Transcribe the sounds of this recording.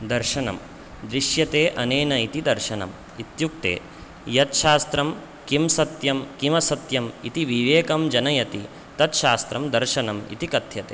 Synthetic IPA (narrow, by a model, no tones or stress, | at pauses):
d̪ɐɾʃɐnɐ̰m | d̪ɾiʃjɐt̪eːʔɐneːnɐit̪id̪ɐɾʃɐnɐ̰m | it̪juk̚t̪ḛː | jɐt̪ʃaːst̪ɾɐm | kimsɐt̪jɐmkimɐsɐt̪jɐmit̪iʋiʋeːkɐmd͡ʒɐnɐjɐt̪i | t̪ɐt̪ʃaːst̪ɾɐmd̪ɐɾʃɐnɐmḭt̪ikɐt̪ʰjɐt̪ḛː